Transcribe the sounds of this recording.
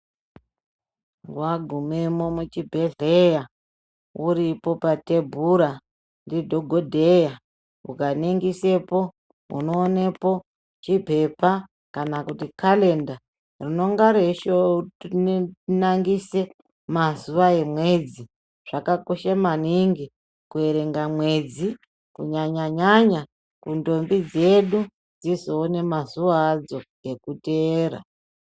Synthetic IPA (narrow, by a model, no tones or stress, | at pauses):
ɡwaɡʱumemomut͡ʃibʱeɮeja | uɾipo̞patebʱuɾa | ndidʱoɡʱodʱeja | ṵkaniŋɡise̞po̞ | ṵnoːne̞po̞ | t͡ʃipe̞pa | kanakutikʰale̞nda | rino̞ŋɡaɾeʃo | naŋɡise̞ | mazuʋae̞mwe̞d͡zi | ʐ̥akakoʃamaniŋɡi | kue̞ɾe̞ŋɡamwe̞d͡zi | kuɲaɲaɲaɲa | kundo̞mbid͡ze̞ɗu | d͡zizo̞ːne̞mazuʋaːd͡zo̞je̞kuteːɾa̰